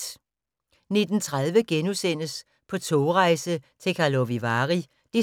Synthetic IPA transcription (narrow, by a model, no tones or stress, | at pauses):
ne̝d̥n̩t͡sʰʁað̞ˠʋəɡ̥enusen̰əs | pʰɒ̽t͡sʰoːʁɑ̈ɪsət͡sʰe̝kʰɑloʋiʋɑːʁi | d̥i